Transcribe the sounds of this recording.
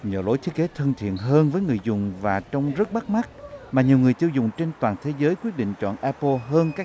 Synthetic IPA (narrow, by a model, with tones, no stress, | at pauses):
ɲə̰ː˧˨lo˨˦jt̪ʰi˦˥k̚e˨˦t̪ʰə˧nt̪ʰḭ˧˨ənɦəː˧nvəː˨˦jŋɨ˨˩əjzʊ˨˩ŋ͡mvaː˨˩t͡ɕɔ˧wŋ͡mzə˦˥t̚ɓa˦˥k̚ma˦˥k̚maː˨˩ɲi˨˩wŋɨ˨˩əjt̪i˧wzʊ˨˩ŋ͡mt͡ɕe˧nt̪waː˨˩nt̪ʰe˨˦zəː˨˦jkwi˦˥t̚ɗḭ˧˨ŋ̟t͡ɕɔ̰˧˨nʔɛ˧pə˧ɦəː˧nkaː˦˥